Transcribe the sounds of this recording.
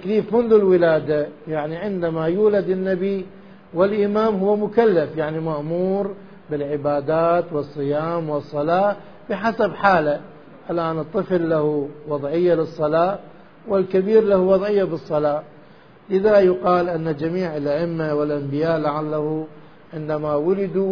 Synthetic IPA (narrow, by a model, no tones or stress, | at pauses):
t̪ːakliːfmʊnðulwɪlaːd̪ajaʕniʕɪnd̪amajuːlad̪ɪnːabi | wɪlʔɪmaːmɦʊwːamʊkalːafjaʕnimaʔmuːɾ | bɪlʕɪbaːd̪aːt̪wɨsˤːɨjaːmwɨsˤːɑlɑː | b̥ɪħasabħaːla | ʔalʔaːnɨt̪ˤːɨflːahuwɑðˤʕɪjːalɨsˤːɑlɑː | wɪlkabiːɾlahuwɑðˤʕɪjːabɨsˤːɑlɑː | lɪðajʊqɑːlʔanːad͡ʒamiːʕɪlʔaʔɪmːawɪlʔambɪjaːʔlaʕalːahu | ʕɪnd̪amawʊlɪd̪u